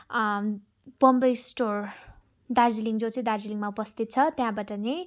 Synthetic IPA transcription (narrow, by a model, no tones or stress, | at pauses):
b̥ʌmbʌjsʈor | d̪ard͡ziliŋd͡zot͡sʌ̃ĩd̪ard͡ziliŋmaupʌst̪ʰit̪̚t͡sʰʌt̪jãbaʈʌnʌ